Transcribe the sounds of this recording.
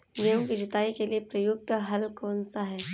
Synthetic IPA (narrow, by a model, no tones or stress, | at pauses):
neũkid͡ʒɪt̪aːikeliepɾɐjʊk̚t̪ɦɐlkɔːnsaɦɛː